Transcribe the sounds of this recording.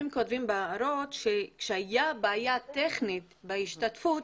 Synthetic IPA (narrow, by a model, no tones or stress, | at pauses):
mkotvimbeaaɾotʃekʃehajabaːjat̪eχnit̪beiʃtatfut